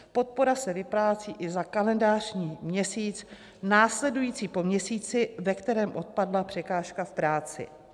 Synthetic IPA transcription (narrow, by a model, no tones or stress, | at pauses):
po̞t̪̚po̞ɾasɛvɪpɾaːt͡siːʔɪzakalɛndaːr̝̥ɲiːmɲɛsiːt͡s | naːslɛdujiːt͡siːpo̞mɲɛsiːt͡sɪvɛkt̪ɛɾɛːmʔo̞t̪̚padlapr̝̥ɛkaːʃkafpɾaːt͡sɪ̰